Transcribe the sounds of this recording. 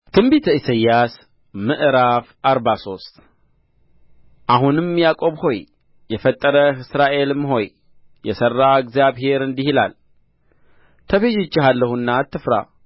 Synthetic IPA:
t̪ʰɨmbit̪ʰisajːas | mɨʔɨɾafʔaɾbaso̞st̪ʼ | ʔaɦunɨmjakʼo̞βho̞j | jɛfət̪ʼːəɾəɨsɾaʔe̞lɨmːɦo̞j | jɛsərːaɛɡzjaβɦe̞ɾɨnd̪ihila̰l | t̪ʰəβeʒɪt͡ʃːɪɦalːəhunːat̪ʰːɨfɾa̰

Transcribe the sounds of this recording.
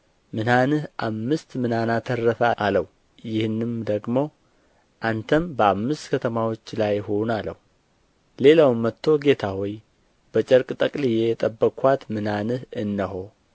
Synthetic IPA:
mɨnanɨhʔamːɨst̪mɨnanat̪ʰərːəfəʔaləw | jɪhɨnːɨmd̪əɡmo̞ | ʔant̪ʰəmbəamːɨst̪kʰət̪ʰəmawo̞t͡ʃːlajho̞nalə̰wu | le̞lawɨmːət̪ʰːo̞ɡe̞t̪ʰawɔj | b̥ət͡ʃʼəɾkʼt̪ʼəkʼlijɛɛt̪ʼəbːəkʼwat̪mɨnanɨhɨnːəɦo̞

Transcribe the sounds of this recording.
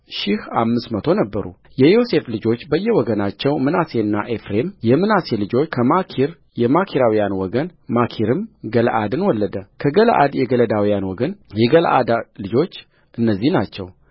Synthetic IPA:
ʃɪhamːɨsmət̪ʰo̞nəbːəɾṵ | jɛjo̞se̞flɨd͡ʒo̞t͡ʃːbəjːɛwɔɡənat͡ʃːɛwmɨnase̞ɨnːa̰ʔefɾe̞mjɛmɨnase̞lɨd͡ʒo̞kʰəmakʰiɾ | jɛmakʰiɾawijanwɔɡənmakʰiɾɨmɡəlʔad̪ɨnwɔlːəd̪əkʰəɡəl̰ʔa̰d̪jɛɡələd̪awijanwɔɡənjɛɡəlʔa̰d̪alɨd͡ʒo̞t͡ʃː | ʔɨnːəzːihnat͡ʃːɛw

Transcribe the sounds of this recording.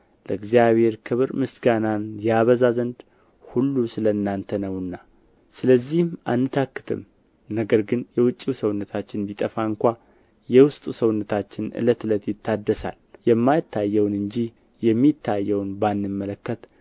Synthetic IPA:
ləɨɡzijaβhe̞ɾkʰɨβɾmɨsɡananjaβəzazənd̪ | hulːusɨləɨnːant̪ʰənəwɨnːa | sɨləzːihmʔanːɨt̪ʰakːɨ̥t̪ʰɨ̰m | nəɡəɾɡɨnjɛwʊt͡ʃʼːiwsəwnːət̪ʰat͡ʃːɪndit̪ʼəfaɨŋkʷa | jɛwʊst̪ʼusəwnːət̪ʰat͡ʃːɪnɨ̰lət̪ɨlət̪jɪt̪ʰːad̪ːəsa̰ljɛmːajɪt̪ːajːɛwnɨɲd͡ʒi | jɛmːit̪ʰːajːɛwnbanːɨmːələkːət̪

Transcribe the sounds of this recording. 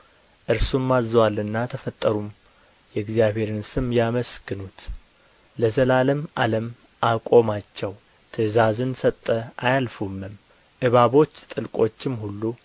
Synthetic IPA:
ʔɨɾsumːazwalːɨnːat̪ʰəfət̪ʼːəɾum | jɛɡzijaβhe̞ɾɨnsɨmjaməsɡɨnut̪ | ləzəlaləmʔaləm | ʔakʼo̞mat͡ʃːɛw | t̪ʰɨzazɨnsət̪ʼːəajalfumːɨm | ʔɨβaβo̞t͡ʃːt̪ʼɨlkʼo̞t͡ʃːɪmhulːu

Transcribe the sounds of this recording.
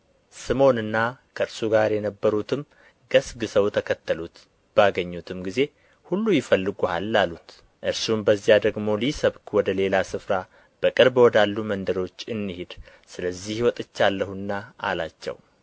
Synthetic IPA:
sɨmo̞nɨnːakʰəɨɾsuɡaɾjɛnəbːəɾut̪ʰɨm | ɡ̥əsɡɨsəwt̪ʰəkʰət̪ːəlut̪ | b̥aɡəɲːut̪ʰɨmɡize̞ | hulːujɪfəlːɨɡuhalːalut̪ | ʔɨɾsumbəzːijad̪əɡmo̞lisəβkʰʼwɔd̪əle̞lasɨfɾa | b̥əkʼɨɾbwɔd̪alːumənd̪əɾo̞t͡ʃːɨnːihed̪ | sɨləzːihiwɔt̪ʼɨt͡ʃːalːəhunːaa̰lat͡ʃːɛ̰w

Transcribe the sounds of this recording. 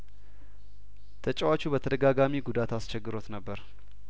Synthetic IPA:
t̪ʰət͡ʃʼːɛwat͡ʃːubət̪ʰəd̪əɡaɡamiɡud̪at̪ast͡ʃɛɡːɨɾo̞t̪nəbːəɾ

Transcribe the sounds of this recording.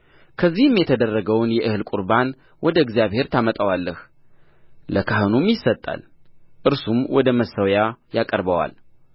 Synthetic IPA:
kʰəzːihɨmjɛt̪ʰəd̪ərːəɡəwnjɛʔɨhɨlkʼuɾban | wʔɔd̪əɨɡzijaβhe̞ɾt̪ʰamət̪ʼəwalːəh | ləkʰahɨnumjɪsːət̪ʼːa̰lʔɨɾsumwɔd̪əməsːəwjajakʼəɾbəwa̰l

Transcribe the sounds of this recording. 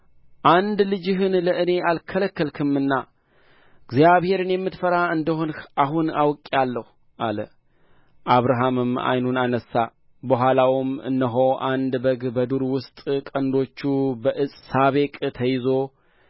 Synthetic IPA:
ʔand̪lɨd͡ʒɪɦɨnləʔɨne̞ʔalkʰələkːəlkʰɨmɨnːa | ɡzjaβhe̞ɾɨnjɛmːɨt̪fəɾaɨnd̪əhoaɦunawkʼalːəhu | ʔalə | ʔaβɾaɦamɨma̰jnunanəsːa | bəɦʷwʷalawɪmɨ̰nːəɦo̞ʔand̪bəɡbəd̪uɾwʊst̪ʼkʼənd̪o̞t͡ʃːubəʔɨsʼsaβe̞kʼt̪ʰəjɪzo̞

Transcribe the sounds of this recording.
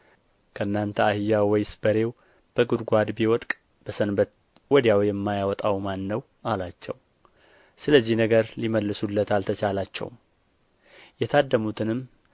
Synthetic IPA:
kʰəɨnːant̪ʰəahɨjawɔjsbəɾe̞w | b̥əɡud̪ɡʷad̪biwɔt̪ʼkʼ | b̥əsənbət̪ | wɔd̪jawjɛmːajawɔt̪ʼawmanːəw | ʔalat͡ʃːɛ̰w | sɨləzːihnəɡəɾliməlːɨsulːət̪ʰalt̪ʰət͡ʃʰalat͡ʃːɛ̰wm | jɛt̪ʰad̪ːəmut̪ʰɨnɨm

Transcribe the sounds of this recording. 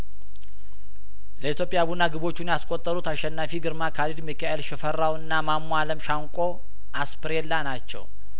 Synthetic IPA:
ləit̪ʰjo̞pʼːjaβunːaɡɨβo̞t͡ʃːunjaskʼot̪ʼːəɾut̪ʰaʃːɛnːafiɡɨɾmakʰalid̪mikʰaʔelʃɛfərːawɨnːamamːaləmʃaŋkʷʼo̞ | ʔaspʰɨɾelːanat͡ʃːɛ̰w

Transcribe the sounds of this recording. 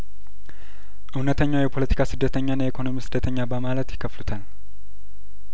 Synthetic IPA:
ʔɨwnət̪ʰəɲːawjɛpʰo̞lət̪ʰi̥kʰasɨd̪ːət̪ʰəɲːanːaikʰo̞no̞misɨd̪ːət̪ʰəɲːabəmalət̪jɪkʰːəflut̪ʰal

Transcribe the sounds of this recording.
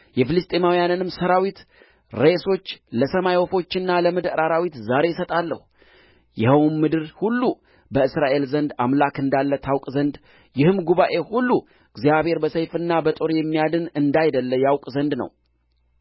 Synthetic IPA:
jɛfɨlɨst̪ʼemawijanɨnɨmsəɾawit̪ | ɾe̞so̞t͡ʃːləsəmajwɔfo̞t͡ʃːɪnːaləmɨd̪ɾaɾawit̪zaɾe̞jɪsət̪ʼalːə̰hu | jɛhəwnmːɨd̪ɨɾhulːu | bəɨsɾaʔe̞lzənd̪amlakɨnd̪alːət̪ʰawkʼzənd̪ | jɪhɨmɡuβaʔe̞hulːu | ɨɡzijaβhe̞ɾbəsəjfɨnːabət̪ʼoɾjɛmːijad̪ɨnɨnd̪ajd̪əlːəjawkʼzənd̪nə̰w

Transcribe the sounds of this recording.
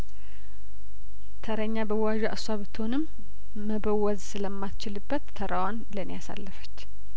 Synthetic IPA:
t̪ʰəɾəɲːabəwaʒɛʔaswaβɨt̪ʰːhonɨmː | əβəwːɔzsɨləmːat͡ʃɪlɨbːət̪ʰːəɾawanlənijasa̰lːɨfə̥t͡ʃː

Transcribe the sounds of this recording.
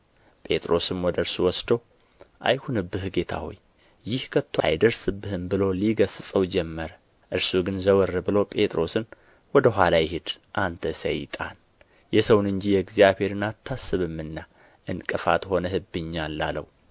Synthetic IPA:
pʼe̞t̪ʼɾo̞sɨmwɔd̪əɾsuwɔsd̪əw | ʔa̰jhunɨbːɨhɡe̞t̪ʰa̰ho̰j | jɪhkʰət̪ʰːwa̰jd̪əɾsɨbːɨhɨmbɨlo̞liɡəsɨsʼəwd͡ʒɛmːəɾə | ʔɨɾsuɡɨnzəwɨrːɨbɨlo̞pʼe̞t̪ʼɾo̞sɨn | wɔd̪əɦʷalajɪɦed̪ | ʔant̪ʰəsə̰jɪ̰t̪ʼa̰n | jɛsəwnɨɲd͡ʒijɛɡzijaβhe̞ɾɨnat̪ʰːasːɨβɨmːɨnːa | ʔɨnkʼɨfa̰t̪ho̞nəɦɨbːɨɲːalːa̰lə̰w

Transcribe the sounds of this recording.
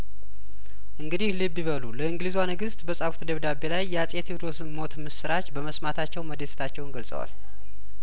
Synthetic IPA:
ʔɨŋɡɨd̪ihlibːiβəluləɨŋɡlizwanɨɡɨst̪bəsʼafu̥t̪ʰd̪əβd̪abe̞lajːɛasʼet̪ʰed̪o̞sɨnmo̞t̪mɨsɨɾat͡ʃbəməsmat̪ʰat͡ʃːɛwməd̪est̪ʰat͡ʃːɛwnɡəlsʼə̰wa̰l

